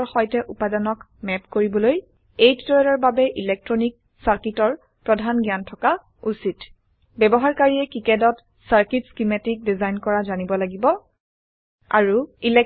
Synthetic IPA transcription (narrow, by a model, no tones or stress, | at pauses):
ɹxɔjtɛʔupadanɔk | mɛpkoɹibɔloj | ejtitɔɹɛlɔɹbabɛʔilɛk̚tɹɔnik̚ | saɹkitɔɹ | pɹɔdʱanɡjantʰɔka | usit | bɛbɔɦaɹkaɹiɛkikɛdɔt | saɹkitskimatik̚dizajnkɔɹazanibɔlaɡibɔ | a̰ɹuilɛ